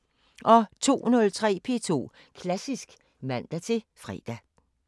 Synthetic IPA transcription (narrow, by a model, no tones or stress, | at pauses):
ʔɒ̽t͡sʰo̝̰ːnɔ̽lt͡sʰʁɛ̰ːpʰe̝̰t͡sʰo̝̰ː | kʰlæsisɡ̥ | mæn̰d̥æt͡sʰe̝ | fʁɛ̰d̥æ